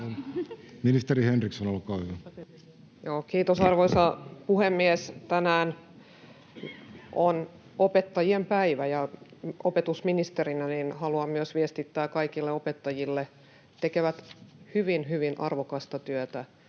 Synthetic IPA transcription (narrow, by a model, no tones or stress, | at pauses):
onminist̪eɾihenriksonolkɑːhyʋæ | joːkiːt̪osɑrʋoisɑpuhemːiest̪ænæːn | ʔon | opet̪ːɑjiempæiʋæjɑopet̪usminist̪erinæninhɑluɑmmyøsʋiest̪it̪ːæːkɑikilːeopet̪ːɑjilːe | t̪ekeʋæt̪hyʋinɦyʋinʔɑrʋokɑst̪ɑt̪yøt̪æ